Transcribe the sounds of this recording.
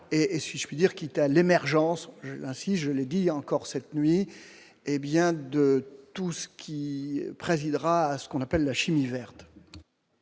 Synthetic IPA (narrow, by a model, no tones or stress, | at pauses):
eʔːsiʒəpɥid̪iʁkit̪alemɛʁʒɑ̃sʒəlɛ̃siʒəled̪iɑ̃kɔʁsɛt̪nɥi | ebjɛ̃d̪ət̪usə̥kʲʰipχezid̪ʁaːsə̥kɔ̃napɛlːaʃimivɛʁt̪